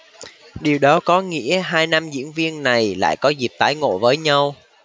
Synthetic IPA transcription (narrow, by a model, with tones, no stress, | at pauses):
ɗi˨˩əwɗɔ˨˦kɔ˨˦ŋḭ˧˥əɦaː˧jna˧mzḭ˧˥ənvi˧ənna˨˩jla̰ː˧˨jkɔ˨˦zi˨˩p̚t̪aː˨˦jŋo̰˧˨vəː˨˦jɲa˧w